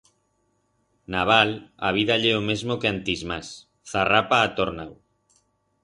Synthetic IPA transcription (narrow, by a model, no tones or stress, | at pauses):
naβala̰β̞iðaʎɛomezmokeant̪izmas | θarapaːt̪oɾnaw